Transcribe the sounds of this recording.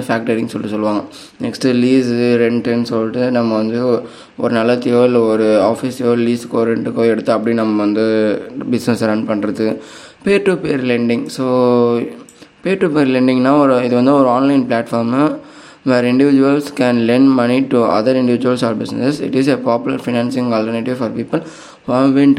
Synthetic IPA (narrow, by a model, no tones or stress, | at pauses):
faːk̚ʈɐɾɪ̃ŋɡsɔlːɯsɔlːɯʋaːŋɡɐ | nɛksʈɯliːsɾɛɳʈɛnsɔlːʈːɯnɐmːɐʋɐnd̪ɯ | ɔɾɯnɐlːɐt̪ioːlɔɾɯaːfisjoːliːskːoːɾɛɳʈɯkːoɛɽɯt̪ːɯɐpːɐɽinɐmːɐʋɐnd̪ɯbɪsnɛsɾɐɳɖpɐɳːɾɐðɯ | peːɾʈːupeːɾlɛɳɖɪ̃ŋɡsoː | peːɾʈupeːɾlɛɳɖɪ̃ŋnaːɔɾɯɪðɯʋɐnd̪ɯɔɾɯaːnlɐɪnplaːʈfaːɾm | ʋɛːɾɪɳɖɪʋɪd͡ʒʊʋɐlskɛ̃nlɛɳɖmɐniʈuɐ̰ðɐɾɪɳɖɪʋɪd͡ʒʊʋɐlsaːɾbɪsnɛ̰sɛsɪ̰ʈɪsepaːpɪlɐɾfɪnaːnsɪ̃ŋɡɐlʈɐɾnɪʈɪʋfɐːɾpiːpɐl | ʋɐʋɪɳʈ